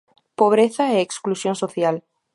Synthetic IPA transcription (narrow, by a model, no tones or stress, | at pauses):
poβ̞ɾeθaeeksklusjõnsoθjal